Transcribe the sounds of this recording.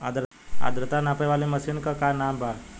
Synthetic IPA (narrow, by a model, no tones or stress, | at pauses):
ad̪ɾ | a̰d̪ɾət̪anapejʋalimɐsinkəkanaːmbʱa